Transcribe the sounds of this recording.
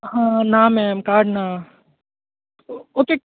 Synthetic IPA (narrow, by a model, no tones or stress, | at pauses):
ɦãːnaːmɛːmkaːɾɖna | oːkeː